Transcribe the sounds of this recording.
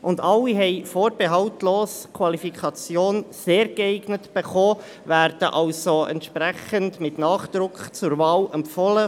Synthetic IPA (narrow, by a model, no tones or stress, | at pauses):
ʔʊndɑlːiɦɛɪfoːɾbɛɦɑltloːskʰwɑlifikʰɑt͡sjoːnseːɾɡəɛɪɡnətb̥ɛχoː | væːɾd̥əʔɑlsoɛ̰ntʃprɛχəndmɪtnɑːχd̪̥ɾʊkχt͡sʊrvɑːlɛmpfɔlə